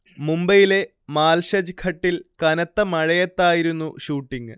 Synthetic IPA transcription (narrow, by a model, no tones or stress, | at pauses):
mumbɐjile̞ | maːlɕɐd͡ʑkʰɐʈːilkɐnɐt̪ːɐmɐɻɐjɐt̪ːaːjiɾunːuɕuːʈːiŋ